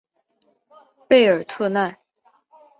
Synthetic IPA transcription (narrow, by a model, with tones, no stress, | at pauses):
pe˥˩ɪə˞˨˩t̪ʰɤ˥˧na˥˩˧n